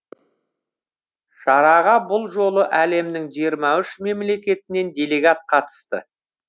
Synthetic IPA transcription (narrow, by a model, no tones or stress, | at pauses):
ʃɑɾɑʁɑbʊlˠʒo̞lˠəʔæle̞mnɪŋʒijəɾmɑʏʃme̞mle̞kʲe̞t̪ɪne̞nd̪ʲe̞le̞ɡat̪̚qʰɑt̪ə̥st̪ə̰